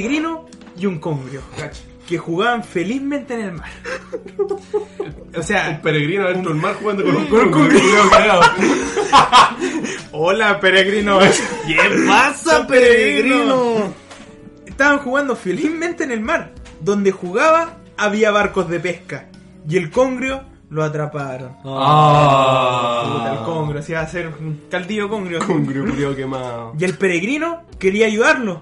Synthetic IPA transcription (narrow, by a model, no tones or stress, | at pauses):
eɣɾino | juŋkoŋɡɾjo̥ | kexuɣaβaɱfelizment̪enelmaɾ | oseaelpeɾeɣɾinoent̪ɾoelmaɾxuɣand̪okonukokokaaɣao | olapeɾeɣɾinojemasapeɾeɣɾo | eht̪aβaŋxuɣand̪ofelismẽnt̪eːnelmaɾðo̞nd̪e̞xuɣaβaː | βiaβaɾko̞zðepe̞hka | je̞lkoŋɡɾjo | loat̪ɾapaɾon | uaelkoŋɡɾjoasiaseɾnkald̪iokoŋɡɾjokoŋɡɾjoðookemaoje̞lpe̞ɾeɣɾino | keɾiaːjuðaɾlo